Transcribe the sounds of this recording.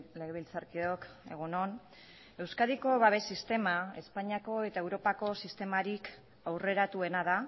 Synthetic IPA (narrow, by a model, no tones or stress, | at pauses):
le̞ɣeβ̞ilt͡saɾkio̞ke̞̰ɣ̞uno̞n | e̞wskaðiko̞βaβ̞e̞sist̪e̞mae̞spaɲiako̞e̞t̪ae̞wɾo̞pako̞sist̪e̞maɾik | awre̞ɾat̪ue̞nað̞a